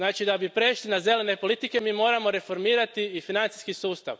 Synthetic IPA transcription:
naːt͡ʃid̪abipɾe̞ʃlinaze̞le̞ne̞po̞lˠit̪ike̞miːmo̞ːɾamo̞ɾe̞fo̞ɾmiːɾat̪iifinant̪i̥skisuːst̪a̰ʋ

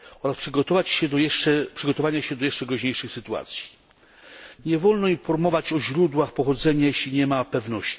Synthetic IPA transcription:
ɔɾaspʂɘɡɔt̪ɔvat͡ɕɕɛd̪ɔjɛʂt͡ʂɛpʂɘɡɔt̪ɔvaɲaɕɛd̪ɔjɛʂt͡ʂɛɡɾɔʑɲejʂɘxsɘt̪ua̰t̪sʲji̥ | ɲɛvɔlnɔinfɔɾmɔvat͡ɕɔʑɾud̪waxpɔxɔd̪zɛɲajeɕlʲiɲɛmapɛvnɔɕt͡ɕ

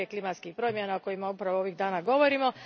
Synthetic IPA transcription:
eklˠimat̪skixpɾo̞ːmjenaoko̞jimaupɾaʋoo̞ʋiɣd̪aːnaɡo̞ʋo̞ɾimo̞

